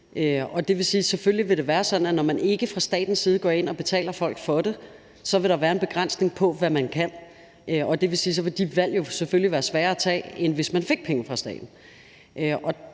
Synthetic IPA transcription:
ʔøɒ̽d̥e̝ʋe̝siːsefølliʋe̝ɾ̥e̝ʋæːɐsɒ̽d̥n̩ænɒmæne̝ɡ̥əfʁɑ̈sd̥ɛ̰ːd̥n̩siːð̞̩ˠɡ̥ɒ̰ːe̝n̰ɒ̽b̥e̝t͡sʰɛ̰ːlɐfɒ̽l̰ɡ̥fɒ̽ɾe̝ | sɒ̽ʋe̝ɾ̥ɑʋæːɐe̝nb̥e̝ɡ̥ʁan̰sne̝ŋpʰɒ̽ʋæmænkʰæn̰ | ʔøɒ̽d̥e̝ʋe̝siːs̬ɒ̽ʋe̝d̥iʋæl̰jo̝seføliʋæːɐsʋæːɐæt͡sʰɛ̰ːenʋe̝smænfe̝ɡ̥̚pʰeŋəfʁɑ̈sd̥ɛ̰ːd̥n̩ | ʔʔɒ̽

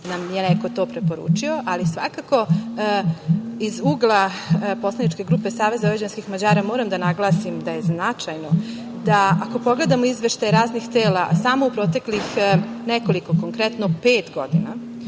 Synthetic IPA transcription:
namjeneko̞t̪o̞ːpɾe̞po̞ɾṵːt͡ʂio̞ʔalisʋa̰kako̞ | izuːɡlˠapo̞slˠaniʈ͡ʂke̞ɡɾuːpe̞saːʋezaɾed͡ʑanskixmad͡ʑaːɾamoːɾamd̪anaɡlˠaːsimd̪aje̞znat͡ʃajno | d̪aako̞po̞ɡle̞d̪amoizʋeʃt̪ajɾaːznixt̪eːla̰saːmoupɾoːt̪e̞klixneko̞liko̞ko̞ŋkɾet̪nopeːt̪ɡo̞d̪ina

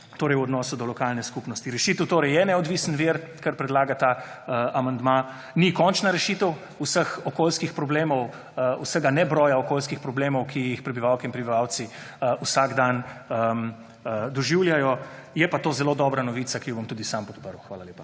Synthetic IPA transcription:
t̪oːɾɛjuɔd̪nɔːsud̪ɔlɔkalnɛskupnɔst̪iɾɛʃit̪əwt̪oːɾɛjɛnɛɔd̪ʋiːsənʋiɾkaɾpɾɛd̪laːɡat̪a | əamand̪ma | nikɔnt͡ʃnaɾɛʃit̪əw | usəxɔkoːlskixpɾɔbleːmɔw | ṵsəɡanɛbɾɔːjaɔkoːlskixpɾɔbleːmɔwkʰijixpɾɛbiʋawkiinpɾɛbiʋaw̪siusaɡd̪anəm | d̪ɔʒiwljajɔ | jɛpat̪oːzɛloːd̪ɔbɾanɔʋiːsakijɔbɔmt̪uːd̪isampɔt̪̚pəɾəwxʋaːlaljeːpa

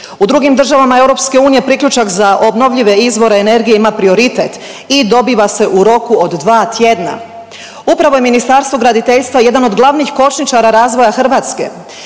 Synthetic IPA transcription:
ud̪ɾuɡimd̪ɾr̩ʒaʋamae̞wɾo̞pske̞uːnije̞pɾikʎut͡ʃakzaʔo̞bno̞ʋʎiʋe̞izʋo̞ɾeːne̞ɾɡijeimapɾio̞ɾit̪et̪ | id̪o̞biːʋase̞ʔuɾo̞kuod̪ːʋaːt̪je̞d̪na̰ | upɾaʋo̞je̞minist̪aɾst̪ʋoɡɾad̪it̪eʎst̪ʋaje̞d̪ano̞d̪ɡlˠaʋnixko̞t͡ʃnit͡ʃaɾaɾaːzʋo̞jaxr̩ʋaːt̪ske̞̰

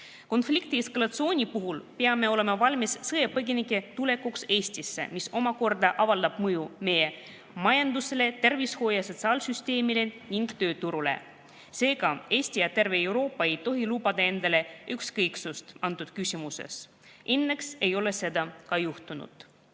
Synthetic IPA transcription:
ko̞nflikt̪ieskɑlɑt̪sɨo̞ːnʲipuɦulpeɑme̞o̞le̞mɑvɑlʲmissɤjepɤɡʲinikːˑe̞t̪ule̞kːukse̞ːsʲt̪isːḛmiso̞mɑko̞rd̪ɑʔɑvɑld̪ɑb̥mɤjume̞je | mɑjɑnd̪use̞le̞t̪e̞rvisho̞ːjɑso̞t̪sɑːlsyst̪e̞ːmile̞niŋɡ̥t̪ø̞ːt̪uɾulḛ | se̞ːɡɑe̞ːsʲt̪ijɑt̪e̞rve̞ewɾo̞ːpːɑe̞jt̪o̞ɦilubɑd̪̥ɑe̞nd̪̥ɑle̞ykskɤjksust̪ɑnt̪ud̪̥kysʲimuse̞̰s | ʔenːe̞kse̞jo̞le̞se̞d̪ɑkɑjuht̪unṵd̪̥

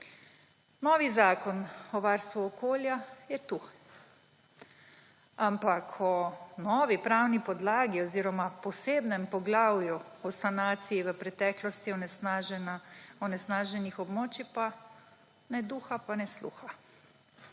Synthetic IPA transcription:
nɔːʋizaːkɔnɔʋaːɾst̪ʋuɔkoːljajɛt̪u | ampakʰɔnɔːʋipɾaːwnipɔd̪laːɡiɔziːɾɔmapɔseːbnɛmpɔɡlawjuɔsanaːt̪sijiʋəpɾɛt̪ɛːklɔst̪iɔnɛsaʒnaɔnɛsnaːʒɛnixɔbmoːt͡ʃipa | nɛd̪uːxapanɛslṵːxa

